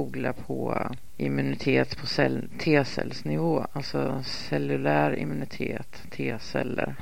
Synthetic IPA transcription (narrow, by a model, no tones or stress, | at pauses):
uːɡlapʰɔ | ʔɪmɵnɪt̪ʰeːt̪pʰɔsɛlt̪ʰeːsɛ̰lsnɪvoːalt̪sɔ | sɛlɵlæːɾɪmːɵnɪt̪ʰeːt̪ʰːeːsɛlːə̰ɾ